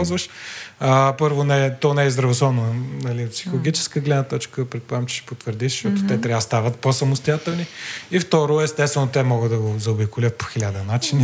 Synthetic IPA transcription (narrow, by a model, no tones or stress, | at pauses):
zvəʃəpɤɾvonɛt̪ɔnɛizd̪ɾɐvosˠɔvnonɐlipsixolˠoɡit͡ʃɛ̥skəɡlɛd̪nət̪ɔt͡ʃkəpɾɛt̪pamt͡ʃɛ̥ʃi̥pot̪vəɾd̪izʃt̪ɔt̪ʊ̥t̪ɛt̪ɾʲavəst̪avət̪̚posɐmʊst̪ʊjat̪ɛlˠniift̪ɔɾoɛst̪ɛst̪vɛnot̪ɛmɔɡəd̪d̪ɐɡozɐobikʊlʲət̪̚po̥xilʲad̪ənat͡ʃini